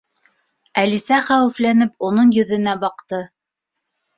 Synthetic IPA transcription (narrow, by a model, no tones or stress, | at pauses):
ælisæχæwɘ̆flænɘpunɤɴjɵ̆ðɘ̆næbɑqt̪ɤ